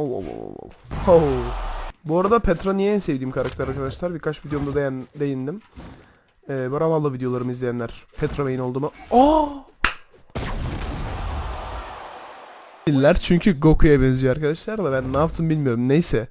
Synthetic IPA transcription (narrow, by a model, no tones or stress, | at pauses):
owo̰wo̰o̰o̰ow | buaɾad̪apʰɛt̪ɾanijɛinse̞vd̪iːmkʰaɾakt̪ʰɛɾaɾkʰad̪aʃlˠaɾbiɾkʰat͡ʃvid̪ejo̞muzad̪ejænd̪e̞jind̪im | ɛːboɾabalˠːɯvid̪ejo̞lˠaɾɯmɯizlʲejænʲæɾ̥pʰɛt̪ɾomejinolˠd̪uːmao | ilʲːæɾt͡ʃʰyɲcʰyɡo̞kʰujabɛnzyjøaɾkad̪aʃlˠaɾlˠabænːaːft̪ʰɯmbilʲmijo̞ɾumnejsɛ